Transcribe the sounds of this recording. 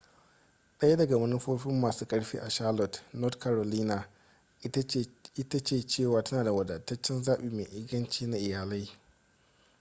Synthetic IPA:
ɗɐ˦ja˦dɐ˨ɡa˨mɐ˦nʊ˦ɸoː˦ɸɪ˦mːaː˨suː˦kʼɐ˦ɽɸiː˦ʔa˨ʃaː˦lɔ˨tnɔ˦tkʰa˨ɾo˨liː˦naː˨ | ɪ˦ta˦t͡ʃeː˨t͡ʃeː˦˨waː˨tɐ˦naː˨da˨wɐ˨dɐ˨tːɐ˦t͡ʃːɪ˦nzaː˦ɓiː˨meː˨ʔɪ˦ɡɐ˦nt͡ʃiː˦na˦ʔɪ˨jaː˨la˦j

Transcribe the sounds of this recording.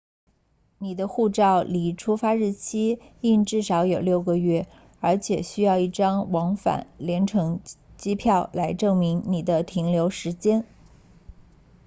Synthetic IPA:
ni˨˩d̪ə˦xu˥˧ʈ͡ʂɑ˥˩ʊli˨˩ʈ͡ʂʰu˥fa˥ɻɻ̩˥˩t͡ɕʰi˥i˥˧nʈ͡ʂɻ̩˥˩ʂɑ˧˥ʊjo˨˩ʊljo˥˩ʊɡə˧ɥɛ˥˩ | ə˞˧˥t͡ɕʰjɛ˨˩ɕy˥jɑ˥˧ʊi˥˩ʈ͡ʂɑ˥ŋwɑ˧˥ŋfa̰˨˩˦nljɛ˧˥nʈ͡ʂʰɤ˧˥ŋt͡ɕi˥pʰjɑ˥˩ʊla˧˥ɪʈ͡ʂɤ˥˩ŋmi˧˥ŋni˨˩d̪ə˦t̪ʰi˧˥ŋljo˧˥ʊʂɻ̩˧˥t͡ɕjɛ˥n

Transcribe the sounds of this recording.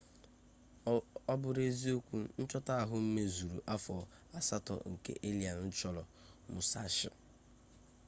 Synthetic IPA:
ɔ˦bʊ˨ɾe˦zi˦o˦kʷu˦n̩˦t͡ʃɔ˦ta˦a˨ɦʊ˦m̩˦me˦zu˨ɾṵ˨ʔa˦fɔ˨ | a˨sa˦tɔ̰˨ŋ̩˨kḛ˦ʔe˦li˨a˨n˦n̩˦t͡ʃɔ˦lɔ˨ | mʊ˨sa̰˦ʃɪ̰˨

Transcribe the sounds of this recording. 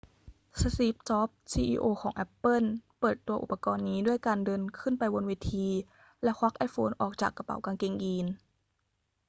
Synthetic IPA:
sa˧si˦˥p̚t͡ɕɔː˦˥p̚siː˧ʔiː˧ʔoː˧kʰɔː˩˦ŋʔɛ˦˥pːɤ˥˩˨npɤː˨˩t̪ːu˧ɐʔu˨˩pːa˧kɔː˧nːiː˦˥du˥˩əjkaː˧ndɤː˧nkʰɯ˥˩˨npa˧jwo˧nweː˧t̪ʰiː˧ | lɛ˦˥xʰwa˦˥k̚ʔa˧˥jfʰoː˧nʔɔ̰ː˨˩k̚t͡ɕaː˨˩kːa˧pa̰˩˦wkaː˧nke˧˩ŋʔiː˧n

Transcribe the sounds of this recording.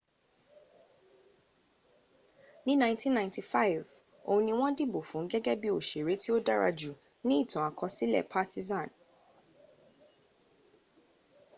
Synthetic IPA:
nĩ˦nã˦ɪ̃ntĩ˦nːã˨j̃nti˨fa˦jv | o̰˧ũ˧nĩ˧w̃ɔ̃˦di˦bo˨fũ˨˦ɡɛ˦ɡɛ˦bi˦o˨ʃe˨ɾe˨˦ti˦o˦da˦ɾa̰˧d͡ʒu˨ | nĩ˦i˦˨tʰɔ̃˨a˨kʰɔ̃˧si˦lɛ̰˦˨pʰa˦ti˦zã˦˨n

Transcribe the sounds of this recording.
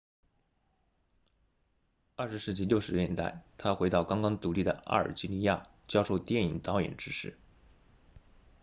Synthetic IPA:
ə˥˩ʂ̩˧˥ʂɻ̩˥˩t͡ɕi˥˧ljo˥˩ʊʂɻ̩˧˥jɛ˥˧n˥t̪a̰˥˩ɪt̪ʰa˥xwe˧˥ɪt̪ɑ˥˩ʊkɑ˥ŋkɑ˥ŋt̪u˧˥li˥˩d̪ə̰˩ʔa̰˥˩ə̰˞˨˩t͡ɕi˥li˧˥˧ja̰˥˩ | t͡ɕjɑ˥ʊʂo˥˧ʊt̪jɛ˥˩ni˨˩ŋt̪ɑ˧˥ʊjɛ̰˨˩nʈ͡ʂɻ̩˥ʂɻ̩˥˩

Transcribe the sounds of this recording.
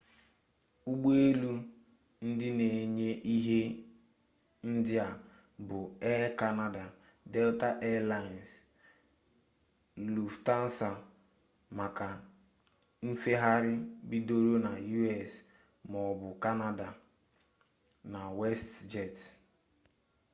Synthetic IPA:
u˦ɡ͡be˦lu˦ | n̩˦dɪ˦ne˨ɲe˦ʔi˦ɦe˦ | n̩˦dɪ˦a˨ | bʊ˨ɛ˦ka˦na˦da˨ | de˦lta˦ʔe˦la˦˨n˨s | lu˨fta˦n̩˦sa˨ | ma˨ka˨ | m̩˦fe˦ɦa˦ɾɪ˦bi˦do˦ɾo˦na˨ju˦ɛ˨s | mɔ˨bʊ˨ka˦na˦da˨ | na˨we˦std͡ʒɛ˨t

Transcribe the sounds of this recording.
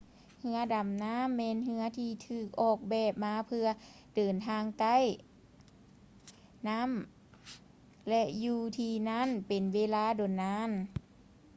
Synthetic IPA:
hɯ˧˥ɐda˨˩mnaː˧˥˨mːɛː˧˥˨nɦɯ˧ɐt̪ʰiː˧t̪ʰɯː˧˩k̚ʔɔː˧˩k̚bɛː˧˩p̚maː˧˥pʰɯ˧ɐ | dɤː˨˩nt̪ʰaː˧ŋt̪a˧˥˩j | na˦˥˨m | lɛ˧ʔjuː˧˩t̪ʰiː˧na˧˥˨npe˨˩nweː˧˥laː˧˥˩do˨˩nːaː˧˥˨n

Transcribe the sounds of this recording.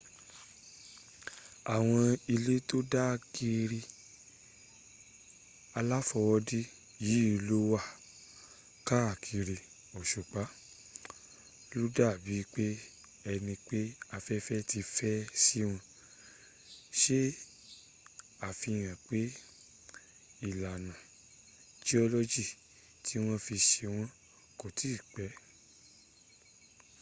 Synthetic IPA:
a˨w̃ɔ̃˧i˧le˦to˦da˦˧˨ki˧ɾi˧ | a˧la˦fɔ˧wɔ˧di˦ | ji˨˦˧lo˦wa˦˨ | ka˦a˨kʰi˧ɾi˧ | ɔ˨ʃu˨k͡pa˨˦ | lu˦da˦˨bi˨˦k͡pe˦ | ɛ˧nĩ˧k͡pe˦a˧fɛ˦fɛ˦ti˧fɛ˦si˦w̃ɔ̃˧ | ʃe˦ | a˨fi˧˨j̃ã˨k͡pe˦ | i˦˨la˨nã˨ | d͡ʒi˦ɔ˧lo˦d͡ʒi˦˨ | tʰi˨˦w̃ɔ̃˦fi˧ʃe˧w̃ɔ̃˦ | ko˨ti˦˨k͡pɛ˨˦

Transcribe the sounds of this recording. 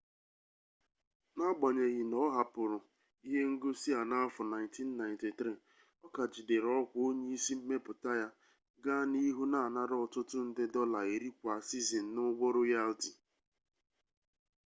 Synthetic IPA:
na˦ɡ͡ba˨ɲe˨ɣɪ˨nɔ˦ɦa˨pʊ˨ɾʊ˨ | i˦ɦe˦ŋ̩˦ɡo˦si˦a˨na˦fʊ˨na˨ɪ̃˨nti˦n̩˦na˨ɪ̃˨nti˨tɾi˦ | ɔ˦ka˨d͡ʒi˨de˨ɾɔ˦kʷo˦ɲe˦i˦si˦m̩˦me˦pʊ˨ta˦ja˦ | ɡa˦ni˦ɦu˦na˦˨a˨na˦ɾɔ˨tʊ˦tʊ˦n̩˦dɪ˦dɔ˦la˨e˨ɾi˦kʷa˨si˦zi˨n̩˨˦nʊ˦ɡ͡bo˦ɾʊ˦ja˦lti˨

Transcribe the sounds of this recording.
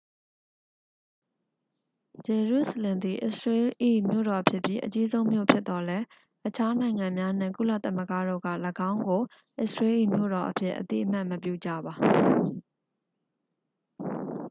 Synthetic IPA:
d͡ʑɛ˨ɹu˦˨səlɪ̃˨nd̪i˨ʔɪ̰˦ʔsɹe˦ʔḭ˦˨mjo̰˦˨ɾɔ˨ʔpʰjɪ˦ʔpji˦ʔət͡ɕi˦zõ˦ʊ̃mjo̰˦˨pʰjɪ˦t̪t̪ɔ˨lɛ˦ | ʔət͡ɕʰa˦nã˨ɪ̃ŋã˨mja˦n̥ɪ̰̃˦˨kṵ˦˨lä̰˦˨t̪a˦mə˦ɡa̰˦˨do̰˦˨ɡa̰˦˨ləɡã˦ʊ̃ŋɡo˨ | ʔɪ̰˦˨sɹe˦ʔḭ˦˨mjo̰˦˨ɾɔ˨ʔəpʰjɪ̰˦ʔːə̰t̪ḭ˦ʔəm̥a˦˨ʔməp̬jṵ˦˨d͡ʑä̰˦˨ba˨

